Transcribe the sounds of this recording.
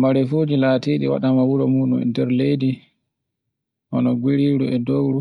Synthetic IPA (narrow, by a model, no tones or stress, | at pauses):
maɾɛfoːd͡ʒilaːtiːɗḭwa̰ɗamawuɾɔmuːɗumɛ̰ndɛɾlejdi | ʔɔnɔɡiɾiɾuɛdowɾu